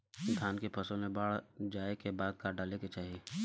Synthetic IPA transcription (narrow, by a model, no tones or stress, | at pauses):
d̪ʱaːnkepʰɐsõnẽbaːɭd͡ʒaːekebaːd̪̚kaɖaːleket͡ʃaːɦieː